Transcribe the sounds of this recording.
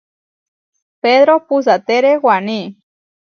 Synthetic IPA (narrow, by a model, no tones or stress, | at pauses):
peðɾopus̬at̪eɾewani